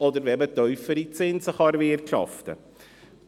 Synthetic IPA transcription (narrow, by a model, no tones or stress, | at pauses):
ɔdəɾʋɛmətœʏfəɾit͡sɪnsəχɑɾvɪːrtʃɑ̰ftə̰